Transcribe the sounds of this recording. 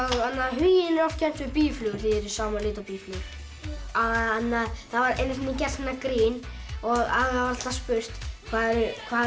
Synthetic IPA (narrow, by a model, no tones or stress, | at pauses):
aanːaðɦʏjɪɪnɛɾɔft̪can̥t̪vɪɾpiːflʏːɣθiɛɾisaːwmaɾlɪːt̪apiːflʏɣɾ | aanːaðθaðvaɾḛjnʏθvinːɪcɛ̥st̪ɛnːakɾiːnɔɣaɣavaɾat̪aspʏr̥t̪kʰvaːðɛɾʏkʰvaː